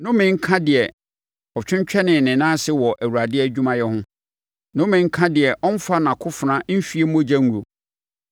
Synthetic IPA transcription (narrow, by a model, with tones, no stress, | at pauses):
nʊ̃˦mɪ̃˨ŋ̩˦kʰã˦dɪ˨ɛ˨ | ɔ˨t͡ɕᶣɪ̃˦ɲ˦t͡ɕᶣʰɛ˦nɪ̃˨nɪ̃˨nãː˦sɪ˦wɔ˨ʔæ˨wu˨ɾa˨dɪ˦æ˨d͡ʑᶣũ˦mã˨jɛ˦hʊ̃˦ | nʊ̃˦mɪ̃˨˦ŋ̩˦kʰã˦dɪ˨ɛ˨ʔɔ˦n˦fa˦nã˨kʰʊ˦fʊ˨nã˦m̩˦fi˦e˦mõ˦d͡ʑa˦ŋu˨ɾo˨